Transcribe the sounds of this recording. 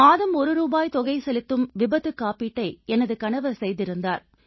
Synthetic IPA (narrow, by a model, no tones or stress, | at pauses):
aːðɐmɔɾɯɾuːbaːjt̪ɔɣɐɪsɛlɪt̪ːɯmʋɪbɐðɯkːaːpiʈːɐɪɛnɐðɯkɐɳɐʋɐsɛjðɪɾɯnd̪aːɾ